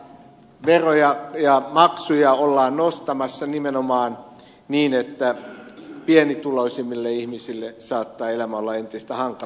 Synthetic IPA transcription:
ʋerojɑjɑmɑksujɑolːɑːnnost̪ɑmɑsːɑnimenomɑːn | niːnet̪ːæ | pienit̪uloisimːilːeihmisilːesɑːt̪ːɑːelæmæolːɑent̪ist̪æhɑŋkɑ

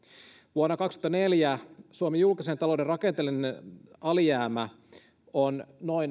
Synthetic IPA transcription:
ʋuonːɑkɑkst̪u̥ot̪ɑneljæsuomijulkisent̪ɑlo̞wderɑkent̪elineɑlijæːmæ | onnoin

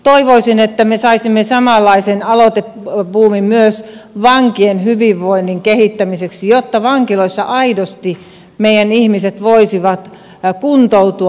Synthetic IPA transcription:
t̪oiʋoisinet̪ːæmesɑisimːesɑmɑlːɑisenɑlot̪e | puːmimmyøsʋɑŋkienhyʋiʋʋoinːiŋkehit̪ːæmiseksijot̪ːɑʋɑŋkiloisːɑʔɑidost̪i | meijænihmiset̪ʋoisiʋɑt̪ | kunt̪out̪u

